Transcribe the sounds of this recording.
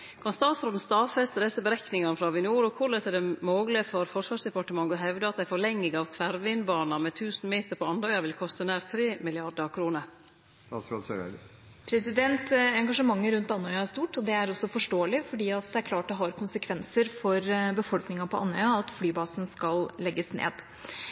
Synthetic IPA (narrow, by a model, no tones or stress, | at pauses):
kʰɑnst̪ɑːt̪sɾoːd̪n̩st̪ɑːfɛst̪ɾɛsəbəɾɛknɪŋɑnfɾɑʋʉnɪuːɾɔkʰʊlɛsɛɖɛmoːɡlɪəfɔɾfɔʂʋɑːʂd̪ɛpɑʈəmɑŋːɔɦɛʋd̪əɑt̪̚d̪æɪfɔɭɛŋːɪɡɑʋt̪ʰʋæɾʋɪnbɑːnɑmɛt̪ʰʉːsnmeːt̪əɾpʰɔɑnœʏɑʋɪlkʰɔst̪ənæːɾt̪ʰɾeːmɪlɪɑɖəkʰɾuːnəɾ | sɑs | pʰɾɛsɪd̪ɛnt̪ɛŋɡɑʂəmɑŋːəɾʉnt̪ɑnːɔʏɑæʂst̪uːʈɔd̪ɛæɾɔsːɔfɔʂʈoːəlɪfɔɖiːɑt̪̚d̪ɛæɾkʰlɑːʈd̪ɛɦɑɾkʰʊnsəkʰʋɛnsəɾfɔɾbəfɔlknɪŋɑpʰɔʔɑ̰nːœʏɑɑt̪flyːbɑːsn̩skɑllɛɡːəsnḛːd̪